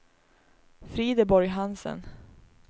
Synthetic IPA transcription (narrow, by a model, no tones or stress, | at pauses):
fɾiːd̪əbɔɾjɦansə̰n